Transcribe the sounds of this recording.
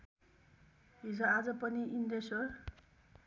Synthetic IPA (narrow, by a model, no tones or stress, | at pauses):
ɦid͡zʌad͡zʌpʌniʔind̪esʌr